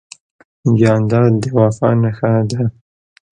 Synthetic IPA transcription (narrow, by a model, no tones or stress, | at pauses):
ɡjɑnd̪ɑd̪əwɑfɑ̰naxad̪a